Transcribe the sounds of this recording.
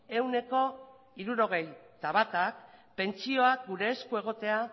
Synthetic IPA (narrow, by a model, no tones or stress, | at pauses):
e̞wne̞ko̞ | iɾuɾo̞ɣ̞e̞jt̪aβat̪ak̚pe̞nt͡ʃio̞ak̚ɡuɾe̞ːskue̞ɣ̞o̞t̪e̞a